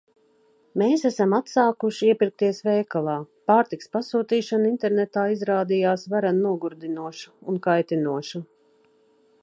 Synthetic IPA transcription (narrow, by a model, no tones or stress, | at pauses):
meːsæsamat̪saːkuʃiiɛpiɾk̚t̪iɛsvɛjkalˠaːpaːɾt̪ikspasuːt̪iːʃanint̪ɛɾnɛt̪aːizɾaːd̪ijaːsvaɾanːuɔɡuɾd̪inuɔʃu̥unkajt̪inuɔʃu